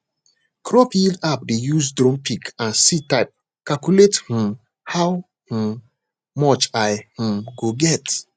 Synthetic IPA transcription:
kʰɾɔpildap̚dejuzdɾõmpʰikãnsitaɪp̚ | kalkulethũ | haw | h̩m | mɔt͡ʃaɪh̩mɡoɡɛt

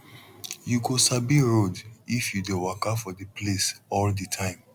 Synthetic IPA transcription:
juɡosabiɹodifjudewakafɔdiplesɔlditʰãɪ̃m

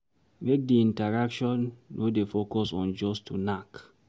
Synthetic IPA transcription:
mek̚diĩntaɹakʃɔ̃nːʔodefokɔsɔ̃nd͡ʒɔstʰunak

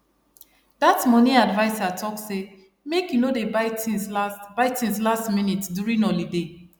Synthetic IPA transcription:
datmɔnĩadvaɪsatʰɔk̚se | mekjunodebaɪtĩsasbaɪtĩnslastminitsdjuɹĩnɔlide

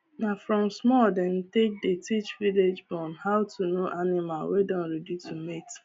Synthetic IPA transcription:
nafɾɔmsmɔden̩tek̚detit͡ʃviled͡ʒbɔ̃nhaʊtʰunoʔanɪmalwedɔ̃nɾedjutumet

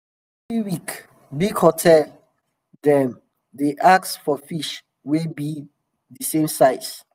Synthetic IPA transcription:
fiwik | bikhɔtʰɛl | dɛ̃m | deʔaksfɔfiʃ | wibi | dəsẽmsaɪs

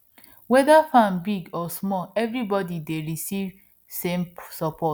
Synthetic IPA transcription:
wɛðafãnbiɡɔsmɔlɛvɾibɔdideɹisiv | sẽmsɔpʰɔt

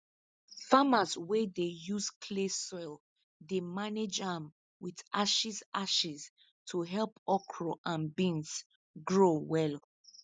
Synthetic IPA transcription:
famazwedejuskʰlesɔɪl | demaned͡ʒãm | widaʃisaʃis | tʰuɦɛlpɔkʰɹoʔãnbĩns | ɡɹowɛl

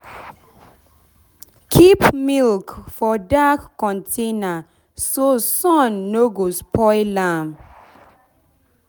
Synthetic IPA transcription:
kʰipmilkfɔdakːɔ̃ntʰẽna | sosɔ̃nːoɡospɔɪlãm

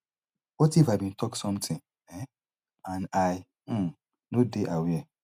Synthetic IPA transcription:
wɔtifabĩn̩tʰɔksɔ̃mtʰɪ̃ | ɛ | ãnaj̩ | nodeʔawiɛ

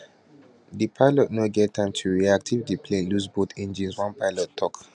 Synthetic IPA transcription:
dipʰaɪlɔt̚noɡɛtʰːãɪ̃mtʰuɹiak̚tʰivdipʰlẽnluzbot̪ɛ̃nd͡ʒĩnswãnpaɪlɔtʰːɔk

